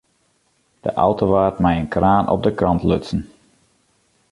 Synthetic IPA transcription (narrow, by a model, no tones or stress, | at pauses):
d̥ə̰ʔɔ̰wtoʋaːtmɛjənkraːnʔɔ̰p̚dəkrɑntlø̰tsən̩